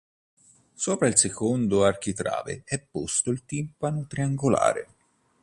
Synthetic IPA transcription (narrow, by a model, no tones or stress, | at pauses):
soːpɾailsekond̪oark̟it̪ɾa̰ːvḛɛpːost̪oilt̪impanot̪ɾiaŋɡola̰ːɾḛ